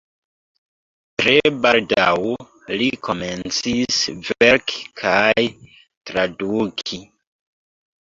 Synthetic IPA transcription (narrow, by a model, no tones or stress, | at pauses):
tɾe̞baldaw | likʰo̞me̞nt͡sisve̞ɾkʰi̥kʰaj | tɾadukʰi